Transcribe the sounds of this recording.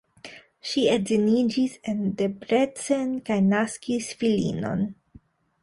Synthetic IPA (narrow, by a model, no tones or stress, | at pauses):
ʃiezinid͡ʒise̞nde̞pɾet͡se̞nkajnaskisfilḭno̞̰n